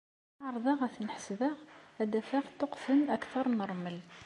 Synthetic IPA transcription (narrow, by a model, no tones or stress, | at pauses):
ʕɾˤðˤɑʁæθnħə̥sðəʁæd̪æfæʁt̪ːoqfənækθɑɾˤnəɾˤməl